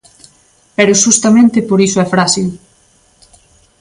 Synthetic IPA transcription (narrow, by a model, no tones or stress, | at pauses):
pɛɾʊʃust̪amẽnt̪ɪpoɾisʊɛfɾasil